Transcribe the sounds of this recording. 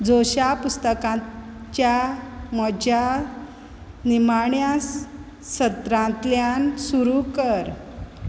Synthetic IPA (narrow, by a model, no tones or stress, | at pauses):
d͡zoɕapust̪əkãt͡ɕjamɔd͡ʑa | nimaɳjas | ɕət̪ɾãnt̪ljansuɾukəɾ